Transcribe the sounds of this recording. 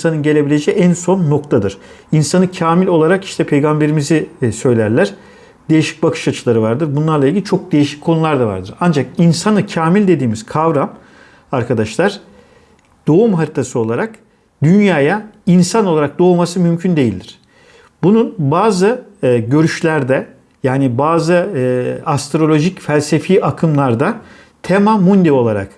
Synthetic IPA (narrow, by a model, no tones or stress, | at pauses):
insanɯnɟe̞lʲe̞bilʲe̞d͡ʒɛːænso̞nːo̞kt̪ʰad̪ɯɾ̥ | insanɯcʰaːmilʲo̞lˠaɾaki̥ʃt̪ʰɛpʰe̞jɡambe̞ɾimizisø̞jlʲæɾlʲæɾ̥ | d̪e̞jiʃi̥c̚bakʰɯ̥ʃat͡ʃʰɯlˠaɾɯvaɾd̪ɯɾbunlˠaɾlˠailʲɟilʲit͡ʃʰo̞k̚d̪e̞jiʃi̥ckʰo̞nulˠaɾd̪ava̰ɾd̪ɯɾand͡ʒakinsanɯcʰaːmilʲd̪e̞d̪iːmiz̥kʰavɾam | aɾkad̪aʃlˠaɾ̥ | d̪̥o̞umɦaɾit̪ʰasɯo̞lˠaɾak | d̪ynjaːjainsanolˠaɾak̚d̪o̞umasɯmymcʰynd̪e̞jilʲd̪iɾ̥ | bununbaːzɯɟø̞ɾyʃlʲæɾd̪ɛ | jaːnibaːzɯ | ast̪ɾo̞lʲo̞ʒicfælʲse̞fiːʔakʰɯmlˠaɾd̪a | t̪ʰemamund̪io̞lˠaɾa̰k